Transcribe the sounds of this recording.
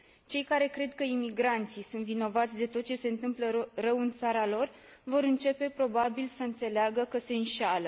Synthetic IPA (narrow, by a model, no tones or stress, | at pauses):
t͡ʃe̞jkaɾe̞kɾe̞d̪kəimiɡɾant̪sisunt̪vino̞vat̪sʲd̪e̞t̪o̞t̪̚t͡ʃe̞se̞ɨnt̪ɨmplərəwɨnt̪saɾalo̞r | vo̞ɾɨnt͡ʃe̞pe̞pɾo̞babilsəɨnt̪se̞leaɡəkəse̞ɨnʃalə